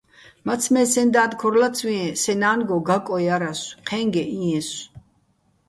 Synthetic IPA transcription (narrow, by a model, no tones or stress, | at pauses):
mat̪t͡sʰmɛsɛnd̪aːd̪kʰɔɾlat̪sʰwĩɛ̃sɛnaːnɡɔɡakʼɔjaɾasqʰɛŋɡɛʔĩɛ̃s